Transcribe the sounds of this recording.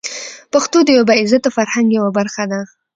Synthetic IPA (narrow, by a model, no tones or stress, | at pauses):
paxt̪od̪əjabaɪzat̪ofaɾhaŋɡjawabaɾxad̪a